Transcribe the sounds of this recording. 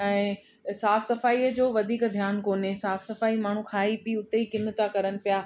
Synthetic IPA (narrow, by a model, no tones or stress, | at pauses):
ɛ̃ː | saːfsɐfaːiːəd͡ʑoːʋɐd̪ʱiːkd̪ʱjaːnkoːnesaːfsɐfaːimaːɳ̤ũkʰaːɦipiʊt̪eikɪnə̆t̪akɐɾənɪ̆pijaː